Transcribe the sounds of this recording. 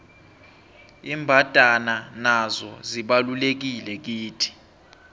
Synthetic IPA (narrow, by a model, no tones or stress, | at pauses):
iːmbʱad̥ʱananazɔ̰ziɓalulek̬ilɛk̬iːtʰi̥